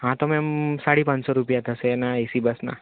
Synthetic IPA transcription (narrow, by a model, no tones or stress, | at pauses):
ɦãt̪ɔmɛ̃msaɽipãɲsɔɾupijat̪ʰəsenaisibəsna̰